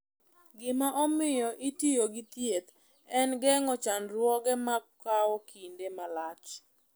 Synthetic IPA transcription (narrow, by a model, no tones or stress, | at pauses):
ɡɪmaʔɔmɪjɔʔitijoɡɪt̪jet̪ | ɛnɡɛŋɔt͡ʃanɾwɔɡɛmakkːaɔkʰindemalat͡ʃ